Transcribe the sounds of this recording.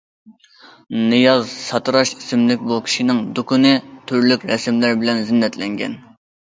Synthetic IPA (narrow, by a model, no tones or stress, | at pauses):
nɨjɑzsɑt̪ɾɑʃisɪmlɪkʲbukʲʰi̥ʃinɪŋd̪ukʰʊnɨt̪ʰyɾlykʲɾɛsɪmlæɾbɪlɛnzɪnːɛt̪lɛŋɡʲɛ̰n